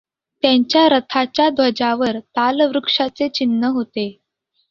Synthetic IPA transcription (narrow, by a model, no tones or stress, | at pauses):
t̪jaɲt͡ɕjaɾət̪ʰat͡ɕjad̪ʋəd͡ʑaʋəɾt̪alʋɾukʂat͡set͡ɕinːəɦot̪e